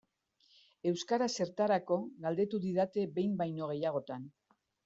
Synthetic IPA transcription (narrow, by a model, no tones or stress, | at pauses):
e̞wskaɾase̞ɾt̪aɾako̞ɣald̪e̞t̪uðiðat̪e̞be̞jmbajno̞ɣ̞e̞jaɣ̞o̞t̪an